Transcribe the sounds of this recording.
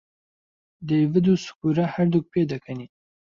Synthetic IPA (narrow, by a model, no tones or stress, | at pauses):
d̪evɨd̪usu̥kuɾɐhɐɾd̪uk̚pʰeːd̪ɐkʰɐni